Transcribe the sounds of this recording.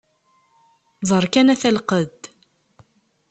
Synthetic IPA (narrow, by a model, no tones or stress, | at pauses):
zˤəɾˤkænæθælqəð